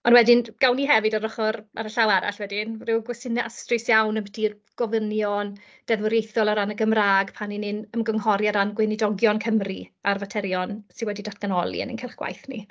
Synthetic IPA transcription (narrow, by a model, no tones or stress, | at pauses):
ɔnwɛdɪnɡ̥awniɦɛvɨdarɔχɔɾa̰ɾəɬawaɾa̰ɬwɛdɪnrɪwɡwɛsɪnɛʔastrɪsjawnəmbətʰir | ɡ̥ɔvənjɔn | d̥ɛðwəɾejθɔlˠaɾanəɡəmraːɡpʰaninɪnəmɡɔŋhɔɾjaɾanɡwɪnidɔɡjɔnkʰəmriarvatʰɛɾjɔnsɪnwɛdidatʰɡ̥anɔlˠḭə̰nḭnkɪlˠχɡwa̰jθnḭ